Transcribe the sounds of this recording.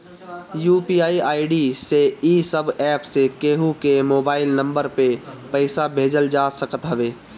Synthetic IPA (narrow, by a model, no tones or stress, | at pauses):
juːpiːaːiaːɪɖiseisəbʱɛːpsekeːɦukemoːbaːɪlnə̃mbəɾpepəɪsabʱeːd͡ʒəld͡ʒaːsəkət̪ɦəʋeː